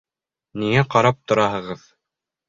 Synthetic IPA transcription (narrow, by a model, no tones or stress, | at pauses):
niŋæqɑɾɑp̚t̪ŏɾɑɦɤ̆ʁɤð